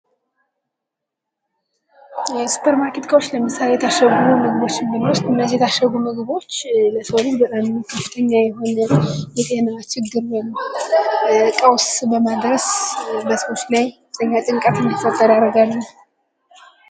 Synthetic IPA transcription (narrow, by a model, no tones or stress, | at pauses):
jɛsu̥pʰəɾmakʰet̪kʰawot͡ʃːləmɨsalejɛt̪ʰaʃəɡmumɨɡbo̞t͡ʃːɪnd̪ɨnwʊst̪ɨnːəzijɛt̪ʰaʃəɡumɨɡβo̞t͡ʃːləsəwsbət̪ʼamkʰəfɨ̥t̪ʰəɲːajɛɦo̞nəjɛt̪ʼehnat͡ʃɪɡːɨɾwem | kʼəwsbəmad̪ɾəsbəsəwot͡ʃːlajkəfɨ̥t̪ʰəɲːat̪ʼɨŋkʼat̪ɨnːifət̪ʼːəd̪aɾəɡalːə